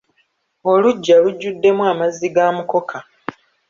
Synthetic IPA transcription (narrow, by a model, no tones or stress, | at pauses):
o̞luɟːaluɟːudːe̞mwaːmaziɡaːmuko̞kʰa